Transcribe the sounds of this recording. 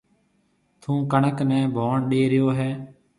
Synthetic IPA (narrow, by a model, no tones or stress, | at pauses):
t̪ʰũːkəɳəknɛ̃ːbʱoːɳɗeːɾɪjoːɦɛː